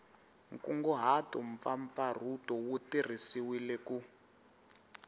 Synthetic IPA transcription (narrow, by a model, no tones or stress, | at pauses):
ŋ̩kuŋɡɔɦatɔɱ̩p̪faɱp̪far̤utɔwutir̤isiwilɛku